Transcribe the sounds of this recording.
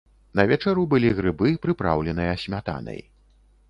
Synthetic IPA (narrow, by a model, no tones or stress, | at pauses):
nɐvʲɛt͡ʂɛɾubɨlʲiɣɾɨbɨpɾɨpɾa̰wlʲɛnɨjɐːsʲmʲat̪a̰nɐ̰j